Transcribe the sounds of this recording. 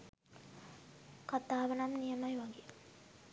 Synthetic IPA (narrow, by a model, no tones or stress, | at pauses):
kat̪aːʋənamnijəmajʋaɡe